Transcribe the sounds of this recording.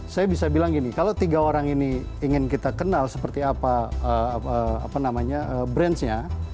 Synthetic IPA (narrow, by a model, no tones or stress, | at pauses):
sajabisabilaŋɡinikalot̪iɡaoɾaŋini | iŋɪnkit̪akənalsəpərt̪iapaəəa̰panamaɲaʔəːbɾɛnsɲa